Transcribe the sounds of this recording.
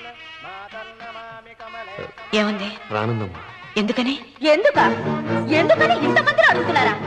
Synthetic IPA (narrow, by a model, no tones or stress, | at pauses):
eːʋɐnd̪eɾa̰ːnɐnd̪ɐmaend̪ɯkːɐneend̪ɯkːaːend̪ɯkːɐneɪnd̪ɐpɐnd̪ɪɾɐɐɽɯt̪ɯnːaːɾãː